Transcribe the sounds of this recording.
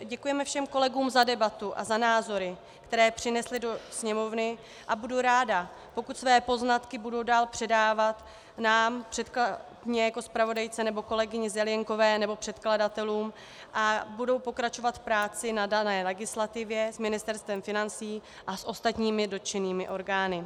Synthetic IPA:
ɟɛkujɛmɛfʃɛmko̞lɛɡuːmzadɛbat̪uʔa̰zanaːzo̞ɾɪ | kt̪ɛɾɛːpr̝̥ɪnɛslɪdo̞sɲɛmo̞vnɪ | ʔabuduɾaːda | po̞kut̪svɛːpo̞znat̪kɪbudo̞wdaːlpr̝̥ɛdaːvat̪ | naːmpr̝̥ɛt̪kla | ɲɛjako̞spɾavo̞dajt͡sɛnɛbo̞ko̞lɛɡɪɲɪzɛlɪjɛŋko̞vɛːnɛbo̞pr̥ɛt̪kladat̪ɛluːm | ʔabudo̞wpo̞kɾat͡ʃo̞vat̪fpɾaːt͡sɪnadanɛːlɛɡɪslat̪ɪvjɛzmɪnɪst̪ɛɾst̪vɛmfɪnant͡siː | ʔasʔo̞st̪at̪ɲiːmɪdo̞t̪t͡ʃɛniːmɪʔo̞ɾɡaːnɪ

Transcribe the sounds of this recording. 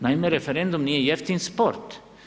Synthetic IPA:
najmeɾɛfɛɾɛ̃nd̪umniɛjɛft̪ɪnspɔɾt̪

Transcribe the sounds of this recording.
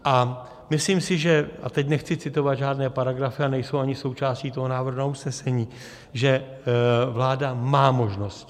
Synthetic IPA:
ʔa | mɪsliːmsɪʒɛa̰t̪ɛcnɛxt͡sɪt͡sɪt̪o̞vad̪ʒaːdnɛːpaɾaɡɾafɪanɛjso̞waɲɪso̞wt͡ʃaːsciːt̪oɦo̞naːvr̩ɦnausnɛsɛɲiː | ʒɛ | vlaːdamaːmo̞ʒno̞st̪

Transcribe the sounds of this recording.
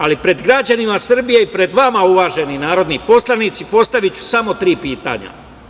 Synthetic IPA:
alipɾe̞d̪ɡɾad͡ʑanimasr̩bije̞ipɾe̞d̪ʋamauʋaːʒe̞ninaːɾo̞d̪nipo̞slˠanit̪sipo̞st̪aʋit͡ɕu̥samo̞t̪ɾiːpiːt̪a̰ɲa̰

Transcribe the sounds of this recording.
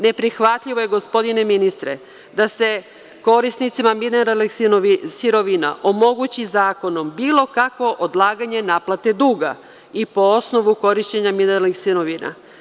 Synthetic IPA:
ne̞pɾixʋat̪ʎiʋoje̞ɡo̞spo̞d̪ine̞minist̪ɾḛ | d̪ase̞ | ko̞ɾisnit̪simamineɾalnixisiɾo̞ʋina̰ʔomo̞ɡut͡ɕizaːko̞no̞mbiːlo̞kakʋo̞ʔod̪lˠaːɡaɲe̞naːplat̪e̞d̪uːɡa̰ | ipo̞o̞sno̞ʋuko̞ɾiʃt͡ɕeɲamineɾalnixsiɾo̞ʋina̰

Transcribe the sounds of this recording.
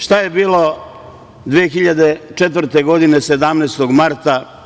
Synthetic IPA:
ʃt̪aje̞biːlo̞ | d̪ʋijexiʎad̪e̞t͡ʃe̞t̪ʋɾt̪eɡo̞d̪ine̞se̞d̪amneːst̪o̞ɡmaɾt̪a

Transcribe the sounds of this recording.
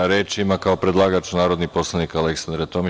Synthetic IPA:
ɾeːt͡ʃimakao̞pɾe̞d̪lˠaːɡat͡ʃunaːɾo̞d̪nipo̞slˠanikaleksand̪ɾat̪omi

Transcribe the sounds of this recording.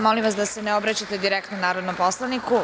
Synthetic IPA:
mo̞limʋasd̪ase̞neo̞bɾat͡ɕat̪ed̪iɾekt̪nonaːɾod̪nomposlˠaniku

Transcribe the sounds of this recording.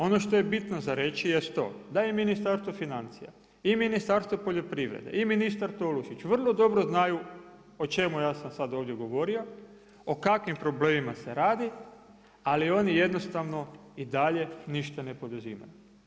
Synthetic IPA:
o̞no̞ʃt̪o̞je̞bit̪nozaɾe̞t͡ʃijest̪t̪o̞̰ːd̪aeminist̪aɾst̪ʋofinant̪sḭja̰ | iminist̪aɾst̪ʋopo̞ʎo̞pɾiʋɾḛd̪ḛʔiminist̪aɾt̪oluʃit͡ʃʋr̩lˠo̞d̪o̞bɾo̞znaju | ot͡ʃe̞mujaːsamsad̪o̞ːʋd̪je̞ɡo̞ʋo̞ɾio̞ | okakʋimpɾo̞ble̞ːmimase̞ɾaːd̪i | alio̞nije̞d̪no̞st̪aʋno̞id̪aʎe̞niʃt̪ane̞po̞d̪uzḭːma̰ju

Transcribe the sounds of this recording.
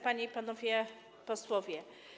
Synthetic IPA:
paɲiipanɔvʲjɛ | pɔswɔvʲjɛ

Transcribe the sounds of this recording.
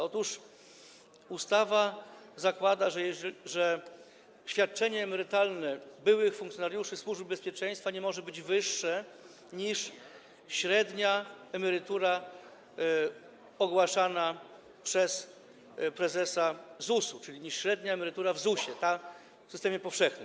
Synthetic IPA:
ɔt̪uʂ | ust̪ava | zakwad̪aʐʐɛ | ɕfʲjat̪̚t͡ʂɛɲɛːmɛɾɘt̪alnɛbɘwɘxfuŋk̪sʲjɔnaɾjuʂɘswuʐb̚bɛspʲjɛt͡ʂɛj̃st̪faɲɛmɔʐɛbɘd͡ʑvɘʂːɛ | ɲiʂ | ɕɾɛd̪ɲaɛmɛɾɘt̪uɾa | ɔɡwaʂana | pʂɛs | pɾɛzɛsazusut͡ʂɘlʲiɲiʂɕɾɛd̪ɲaɛmɛɾɘt̪uɾavzuɕɛt̪a | fsɘst̪ɛmʲjɛpɔfʂɛxnɘm

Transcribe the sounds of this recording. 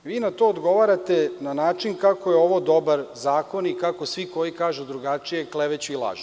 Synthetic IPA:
ʋiːnat̪o̞ːod̪ɡo̞ʋaɾat̪enanaːt͡ʃinkakojeo̞ʋod̪o̞baɾzaːko̞nikako̞sʋiko̞jikaːʒud̪ɾuɡat͡ʂije̞kleʋet͡ɕuilˠa̰ːʒu̥

